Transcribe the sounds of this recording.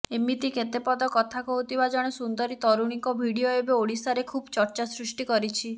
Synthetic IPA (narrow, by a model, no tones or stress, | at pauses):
emit̪iket̪epɔd̪ɔkɔt̪ʰakɔɦut̪ibad͡ʒaɽ̃esund̪ɔɾit̪ɔɾuɽ̃ikɔbʱiɽioebeoɽisaɾekʰubt͡ʃɔɾt͡ʃasɾusʈikɔɾit͡ʃʰi